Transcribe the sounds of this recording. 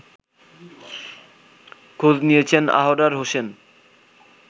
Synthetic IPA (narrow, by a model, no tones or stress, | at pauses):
kʰod͡ʑnijet͡ɕʰena̰ɦoɖaɾɦosen